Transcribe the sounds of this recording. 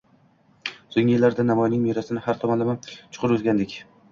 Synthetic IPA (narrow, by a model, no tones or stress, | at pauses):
soŋʲɪɪlːaɾd̪anamɒjnɪŋmeɾasɪnɪhaɾt̪ʰɒmanlamamt͡ʃʰʊ̥qʰʊɾɵzɡʲand̪ɪkʲ